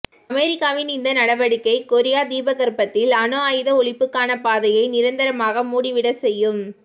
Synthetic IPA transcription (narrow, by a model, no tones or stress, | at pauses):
ɐmeːɾɪkːaːʋɪnɪnd̪ɐnɐɽɐʋɐɽɯkːɐɪkɔɾɪjaːd̪iːbɐɣɐɾpɐt̪ːɪlɐnoaːjɯðɐɔɭɪpːɯkːaːnɐpaːðɐjɐɪnɪɾɐnd̪ɐɾɐmaːɣɐmuːɽɪʋɪɽɐsɛjːɯm